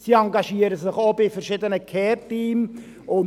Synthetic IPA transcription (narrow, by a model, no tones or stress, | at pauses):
siɑŋɡɑʃiːəɾəsɪχobɪfɛɾʃɪdənəkʰɛːrtiːm | ʊn